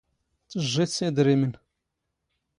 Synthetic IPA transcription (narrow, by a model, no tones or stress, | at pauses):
t͡sːəʒːiθsæd̪ɾimən